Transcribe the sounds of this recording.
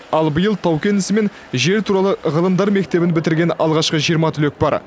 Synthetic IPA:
ɑlˠbəjəlˠt̪ʰɑwkʲe̞nɪsɪme̞n | ʒe̞ɾt̪ʰuɾɑlˠəʁəlˠəmd̪ɑɾme̞k̚t̪e̞bɪnbɪt̪ɪɾɡʲe̞nɑlˠʁɑʃqəʒijəɾmɑt̪ʰʏlek̚bɑ̰ɾ

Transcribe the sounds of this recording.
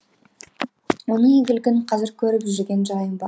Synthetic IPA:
wo̞nəŋeɡʲɪlɡʲɪnqʰɑzɪɾkʲʰɵɾɪpʒʏɾɡʲe̞nʒɑjəmbɑ

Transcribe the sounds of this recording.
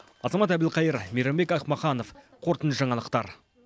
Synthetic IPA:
ɑzɑmɑt̪æbd̪ɪlˠqʰɑjəɾmeɾembe̞kɑχmɑχɑno̞f | qʰo̞ɾt̪ənʃəʒɑɴɑlˠəqt̪ɑɾ

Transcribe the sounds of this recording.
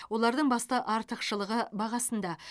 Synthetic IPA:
wo̞lˠɑɾd̪əɴbɑst̪ɑʔɑɾt̪əqʃəlˠəʁəbɑʁɑsənd̪ɑ

